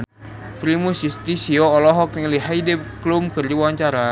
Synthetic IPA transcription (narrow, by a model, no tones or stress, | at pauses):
fɾimusjust̪isiɔːlɔɦɔk̚niŋliɦajdɛklumkɨrd͡ʒiwaɲt͡ʃaɾa